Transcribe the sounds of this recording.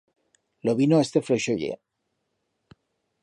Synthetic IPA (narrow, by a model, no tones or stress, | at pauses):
loβinoest̪efɾoʃoʎḛ